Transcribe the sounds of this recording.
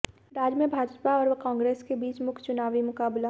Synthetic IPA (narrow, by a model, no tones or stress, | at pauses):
ɾaːd͡ʒmẽbʱaːɾpaɔːɾkãːŋɡɾeːskebiːt͡ʃmʊkʰt͡ʃʊnaːʋimʊkaːbla